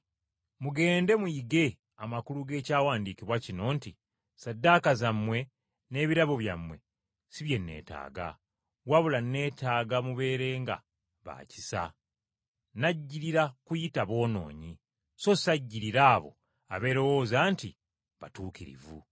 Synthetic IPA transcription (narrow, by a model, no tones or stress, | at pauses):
muɡe̞ːnde̞muiɡe̞ | amakuluɡe̞ːcaːwaːndiːkiβwacino̞ːnti | sadːakazamːwe̞ | ne̞ːβiɾaβo̞βja̰mwe̞̰ | siβje̞nːe̞̰ːta̰ːɡa̰ | waβulanːe̞ːtaːɡamuβe̞ːɾe̞ːŋɡa̰ | βa̰ːci̥sa̰ | naɟːiɾiɾakujitaβo̞ːno̞̰ːɲi | so̞saɟːiɾiɾaːβo̞̰ | a̰βe̞ɾo̞wo̞ːzaːnti | βatuːkiɾḭvṵ